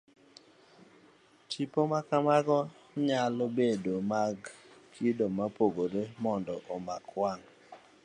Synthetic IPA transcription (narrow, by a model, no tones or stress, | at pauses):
tipomakamaɡɔ | ɲalobedomaɡkʰidomapoɡoɾemɔndɔʔɔmakwaŋ